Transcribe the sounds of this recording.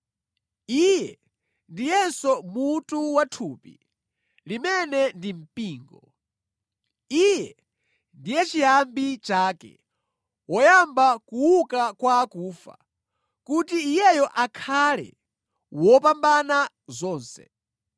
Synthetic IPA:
ijɛ | ndijɛnsɔmutuwatʰuːpḭ | limɛnɛndim̩piːŋɡɔ | ijɛ | ndijɛt͡ʃiambit͡ʃaːkɛ̰ | wɔjambakuwukakwaːkuːfa̰ | kutiːjɛjɔʔakʰalɛ̰ | wɔpambana | zɔːnsɛ̰

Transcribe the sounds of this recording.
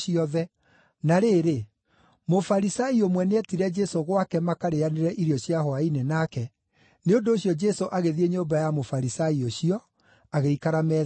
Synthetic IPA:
iɔðɛ | naɾeːɾe | mofaɾisaiomwɛneɛtiɾɛd͡ʒɛsoɣwakɛmakaɾeaneɾɛʔiɾiɔɕjahɔainenakɛ | neondoːɕjɔd͡ʒɛsoʔaɣeðieɲoːmbajamofaɾisaioɕiɔ | aɣeikaɾamɛ

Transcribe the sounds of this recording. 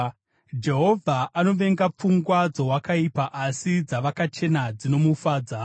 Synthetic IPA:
d͡ʒe̞ɦo̞vʱaʔano̞ʋe̞ŋɡap͡fuŋɡwad͡zoɦwakaipaʔasid͡zaʋakat͡ʃe̞nad͡zino̞mufaːd͡za

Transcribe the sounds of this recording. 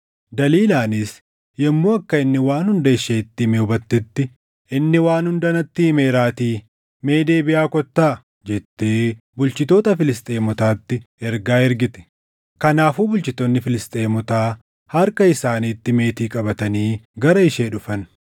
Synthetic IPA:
d̪ɐliːlaːnɪs | jɛmːo̞ːɐkːɐɪnːɪwaːnhʊnd̪ɐɪʃːeːt̪ːɪmeʊbɐt̪ːɪt̪ːɪ | ɪnːɪwaːnhʊnd̪ɐnɐt̪ːime̞ːɾaːt̪iː | me̞ːd̪e̞ːbɪjaːkɔt̪ːaː | d͡ʒɛt̪ːeː | bʊlt͡ʃɪt̪o̞ːt̪ɐfɪlɪst̪ʼeːmɔt̪aːt̪ːɪɛɾɡaːɛɾɡɪt̪ɛ̥ | kɐnaːfuːbʊlt͡ʃɪt̪onːɪfɪlɪst̪ʼeːmɔt̪aː | hɐɾkɐɪsaːniːt̪ːɪme̞ːt̪iːkʼɐbɐt̪ɐniːɡɐɾɐɪʃeːᶑʊfɐn

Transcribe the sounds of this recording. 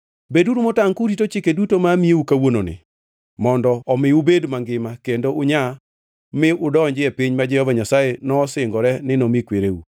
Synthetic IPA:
beduɾumotaŋkuɾitot͡ʃɪkedutomamieukawononɪ̰ | mɔndɔːmɪubedmaŋɡɪmakendoʊɲa | mɪʊdɔɲd͡ʒɪepiɲmad͡ʒɛhɔvaɲasajenɔːsɪŋɡɔɾɛnɪnomikweɾeṵ

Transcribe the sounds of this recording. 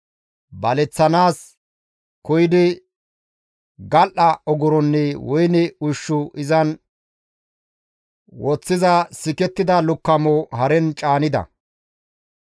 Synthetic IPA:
bɐlɛt͡sːɐnaːs | kɔjɪd̪ɪ | ɡɐlʔɐɔɡʊɾɔnːɛwɔjnɛʊʃːʊʔɪzɐn | wɔt͡sːɪzɐsɪkɛt̪ːɪd̪ɐlʊkːɐmoːhɐɾɛnt͡ʃʼaːnɪd̪ɐ̰

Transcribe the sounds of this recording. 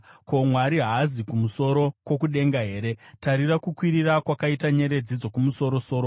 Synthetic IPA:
ko̞mwaɾiɦazikumuso̞ɾo̞kwo̞k̬uɗe̞ŋɡaɦe̞ːɾe̞taɾirakukwiɾirakwakaitaɲe̞ɾe̞d͡zid͡zo̞kumuso̞ɾo̞soːɾo

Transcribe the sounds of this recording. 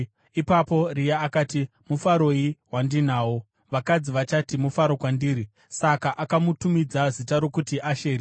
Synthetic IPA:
ipapo̞rijaːkaːti | mufaɾo̞iɦwandinaːwo̞ | ʋakad͡ziʋat͡ʃatimufaɾo̞kwandiːɾi | sakaʔakamutumid͡zazitaɾo̞kutiʔaʃeːɾi

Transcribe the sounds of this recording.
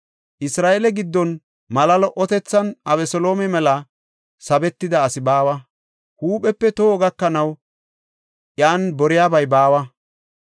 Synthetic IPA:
ʔɪsɾaːʔelɛɡɪd̪ːɔn | mɐlɐlɔʔɔt̪ɛt͡sːɐnʔɐβɛsɔloːmɛmɛlɐ | sɐbɛt̪ːɪd̪ɐːsɪbaːwɐ | huːpʼɛpːɛt̪oːɡɐkːɐnɐw | ʔjaːnbɔɾɪjaːbɐjbaːwɐ

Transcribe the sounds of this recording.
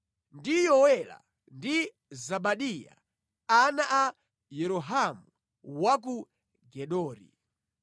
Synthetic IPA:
ndijɔwɛla̰ | ndi | zaɓaɗija̰ | anaʔa | jɛɾɔɦamu | wak̬u | ɡɛɗɔːɾḭ

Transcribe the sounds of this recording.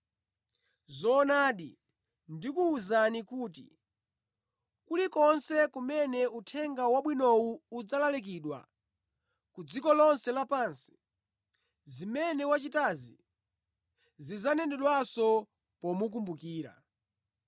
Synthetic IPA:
zɔːnaːɗi | ndikuːzanikuːtḭ | kulikɔnsɛkumɛnɛutʰɛŋɡawaɓwinɔuud͡zalalik̬iɗwa̰ | kud͡zikɔlɔnsɛlapaːnsi̥ | zimɛnɛwat͡ʃitazi | zizanɛndɛɗwasɔ | pɔmuk̬umbukiːɾa̰

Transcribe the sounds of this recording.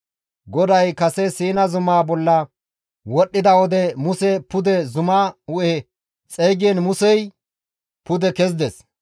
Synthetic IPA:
ɡɔd̪ɐjkɐsɛsiːnɐzʊmaːbɔlːɐ | wɔɗːɪd̪ɐwɔd̪ɛmʊsɛpʊd̪ɛzʊmaːʊʔɛ | t͡sʼɛjɡɪɛnmʊsɛj | pʊd̪ɛkɛz̬d̪ɛs

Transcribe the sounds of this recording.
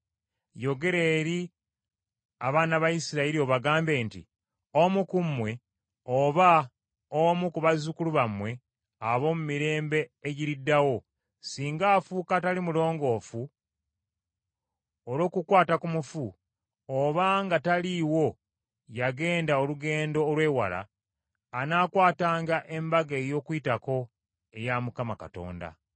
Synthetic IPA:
jo̞ɡe̞ɾe̞ːɾi | a̰βaːnaβajisiɾaiɾio̞βaɡaːmbe̞ːntḭ | omukumːwe̞ | oβa | omukuβazukuluβamwe̞ | aβo̞ːmumiɾe̞ːmbe̞ːɟiɾidːawo̞ | siːŋɡaːfuːkatalimulo̞ːŋɡo̞ːfu | olo̞ːkukwaːtakumufu | oβaŋɡataliwo̞ | jaɡe̞ːndaoluɡeːndo̞ːlwe̞ːwa̰la̰ː | naːkwaːtaːŋɡaʔe̞mbaɡeːjo̞ːkwuitako̞ | ejamukamakato̞̰ːnda̰

